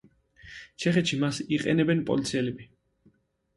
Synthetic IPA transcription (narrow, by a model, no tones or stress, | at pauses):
t͡ʃʰɛχɛt̪ʃimasiqʼɛ̰nɛbɛnpʼɔ̰lit̪sʰiɛlɛbi